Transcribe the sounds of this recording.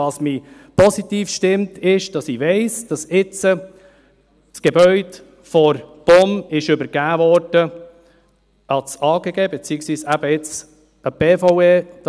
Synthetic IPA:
ɑsmiː | pɔsit̪iːfʃtɪmtʰɪʃd̥ɑsiʋɛɪsd̥ɑsɪt͡sə | sɡ̥ebœʏd | fɔɾb̥ɔmɪʃʏbəɾɡ̥æːvɔɾd̥ə | ʔɑsɑːɡ̥eɡ̥eːbet͡siəksiːsæb̥əɪt͡s | əb̥eːfɔweːd̥

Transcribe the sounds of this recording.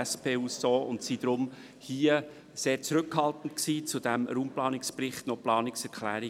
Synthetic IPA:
spʰeːuːssoːʊntsid̥̪ɾʊm | hiːə | seːɾt͡sɾɵkhɑlˠt̪n̩tksiːt͡sudæmɾuːmplɑːnɪkspɾɪχtnɔplɑːnɪksɛɾkχlæːɾi

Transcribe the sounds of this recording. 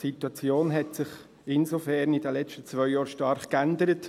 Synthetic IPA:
situɑt͡sjoːnɦɛtsɪχ | ɪnsofɛɾnidəlɛt͡ʃtət͡svœʏjɑːɾʃtɑɾχkændəɾət

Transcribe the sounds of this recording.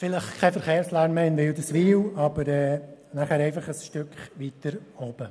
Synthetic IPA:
fɪləχkʰɛfəɾχeːɾslæɾmmɛnʋɪwd̪əsʋiːwɑb̥əɾɛːnaχæːɾɛɪfɑχəsʃtøkχʋit̪əɾɔb̥ə

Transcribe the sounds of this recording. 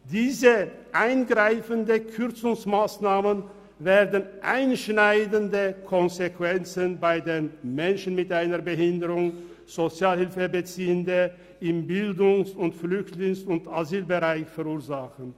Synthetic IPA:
d̥iːzə | ʔaɪnɡʁaɪfəndəkʰʏʁt͡sʊŋsmaːsnaːmən | veːɐdn̩ʔa̰ɪnʃnaɪdəndəkʰɔnzekv̥ɛnt͡sənbaɪdeːnmɛnʃn̩mɪtʔaɪnɐɐbəɦɪndəʁʊŋ | z̥ot͡sjaːlhɪlfəbət͡siːəndə | ɪmbɪldʊŋsʊntflʏçtlɪŋsʊntazyːlbəʁaɪçfɛɐuːɐzaxən̩

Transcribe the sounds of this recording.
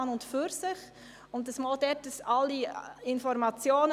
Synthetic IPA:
nʊntfyɾsɪχ | ʊntdəsmɔːldɛtdəsɑlːiɪnfɔɾmɑt͡sjoːn

